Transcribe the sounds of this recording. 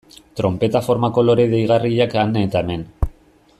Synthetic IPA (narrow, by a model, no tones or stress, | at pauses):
t̪ɾo̞mpe̞t̪afo̞ɾmako̞lo̞ɾeðejɣ̞ariʎakanet̪aeme̞n